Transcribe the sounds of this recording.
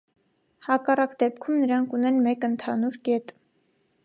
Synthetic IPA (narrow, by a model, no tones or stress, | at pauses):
hɑkɑrɑkd̪ɛpkʰumnəɾɑŋkʰunɛnmɛkənt̪ʰɑnuɾkɛt̪